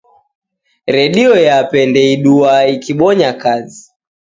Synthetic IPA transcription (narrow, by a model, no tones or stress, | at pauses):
ɾɛɗiɔjapɛndɛiɗuaikiɓɔɲakazi